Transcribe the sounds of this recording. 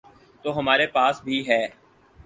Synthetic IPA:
t̪oːɦəmaːɾepaːsbʱiɦɛː

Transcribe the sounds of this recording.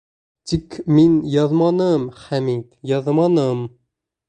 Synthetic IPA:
t̪ikminjɑðmɑnəmχæmit̪jɑðmɑnəm

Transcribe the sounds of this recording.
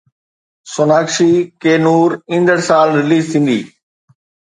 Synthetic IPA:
sʊnaːkʃiːkeːnuːɾɪ̃nd̪əɽsaːlɾɪliːzt̪ʰĩːn̆d̪ḭː

